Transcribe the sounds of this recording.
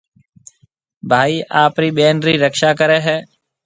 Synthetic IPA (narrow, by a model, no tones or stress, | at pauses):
bʱaːiːʔaːpɾiːɓeːnɾiːɾəkʃaːkəɾɛːɦɛː